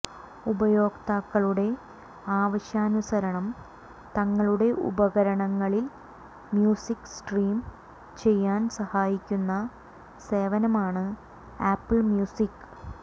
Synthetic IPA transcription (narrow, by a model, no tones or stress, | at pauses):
ubɐjo̞ːkt̪aːkːɐɭuɽe̞ | aːʋɐɕjaːnusɐɾɐɳɐm | t̪ɐŋːɐɭuɽe̞ʔṵbɐɣɐɾɐɳɐŋːɐɭil | mjuːsikːsʈriːm | t͡ɕe̞jːaːnsɐhaːjikʲːunːɐ | se̞ːʋɐnɐmaːɳɨ | aːpːɨɭmjuːsikː